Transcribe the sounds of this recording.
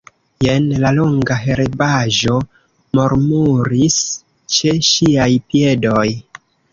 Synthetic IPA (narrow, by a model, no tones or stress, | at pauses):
jenlaloŋɡaɦe̞ɾebaʒo̞ | moɾmuɾis | t͡ʃe̞ʃiajpie̞do̞j